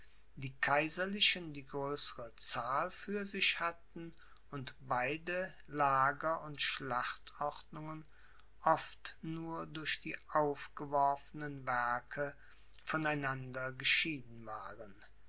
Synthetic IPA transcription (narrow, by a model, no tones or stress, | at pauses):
d̥iːkʰaɪzɐlɪʃəndiːɡʁøːsəʁət͡saːlfyːɐzɪçhatn̩ | ʊntb̥aɪdə | laːɡɐʊntʃlaχtɔʁtnʊŋən | ʔɔftnuːɐdʊɐçd̥iːʔaʊfɡ̥əvɔɐfənənvɛɐkʰə | fɔnaɪnandɐɡəʃiːdn̩vaːʁən